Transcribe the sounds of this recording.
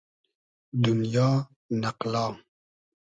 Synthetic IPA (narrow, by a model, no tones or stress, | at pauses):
d̪unjɔː | naqlɔːŋ